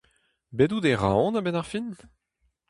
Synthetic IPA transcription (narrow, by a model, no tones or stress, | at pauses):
bedudeʁã̰ɔ̃nabɛnaʁfin